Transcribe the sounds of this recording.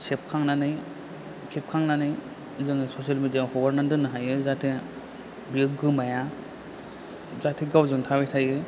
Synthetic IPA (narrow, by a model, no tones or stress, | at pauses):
sep̚kʰaŋnanɯj | kʰep̚kʰaŋnanɯj | zɯŋsɔsialmedijahɔɡaɾnandɯnɯɦajɯzatʰe | biɯkːɯmaja | zatʰiɡawzɯŋtʰabejtʰajɯ